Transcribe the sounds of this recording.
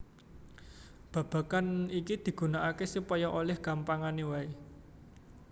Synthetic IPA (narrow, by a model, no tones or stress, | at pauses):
b̥ä̤b̥ä̤kanikid̪̥i̤ɡ̥ṳnaʔakesupɔjɔʔolɛhɡ̥a̤mpaŋanewae